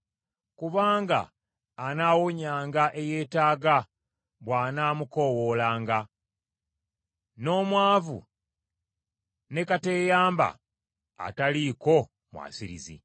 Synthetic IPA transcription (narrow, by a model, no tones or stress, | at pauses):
kuβaːŋɡa̰ː | nawoɲaːŋɡaʔe̞je̞ːtaːɡa | βwaːnaːmuko̞ːwo̞ːlaːŋɡa | no̞ːmwaːvṵ | ne̞kate̞ːjaːmba̰ː | taliko̞ | mwa̰ːsiɾḭzḭ